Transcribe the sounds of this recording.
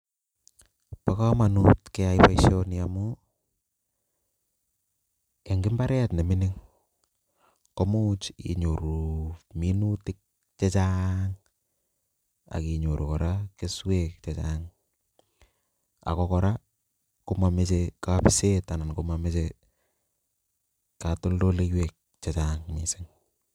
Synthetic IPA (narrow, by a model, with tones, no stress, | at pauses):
pa˦ka˦ma˨nutkɛ˦aipaiʃjɔnjamʊ | e˨ŋɡɪ˦mba˦ɾɛ˦tne˨mɪ˦nɪ˦ŋ | kɔ˦mut͡ʃḭ˨ɲo˨ɾu˨mi˦nutɪ˦k̚ | t͡ʃɛ˦t͡ʃaŋ | a̰˨ki˨ɲo˨ɾo˨kɔ˨ɾa˦kɪ˦swe˦kt͡ʃe˨t͡ʃaŋ | a̰˨kɔ˨kɔ˨ɾa˦ | ko˦ma˨me˦t͡ʃeka˦pɪ˦se˦ta˨na˨nko˦ma˨me˦t͡ʃe˦ | ka˨to˦ldo˦le˦kwe˨k̚ | t͡ʃe˨t͡ʃaŋmi˨sɪ˦ŋ